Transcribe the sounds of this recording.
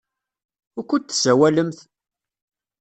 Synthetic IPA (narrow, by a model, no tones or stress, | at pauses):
ʊkʷːət̪ːsæwæləmθ